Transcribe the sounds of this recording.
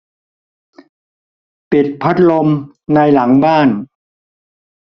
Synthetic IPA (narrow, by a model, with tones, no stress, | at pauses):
pi˨˩t̪̚pʰa˦˥t̪̚lo˧m | na˧jla˩˦ŋbaː˥˩n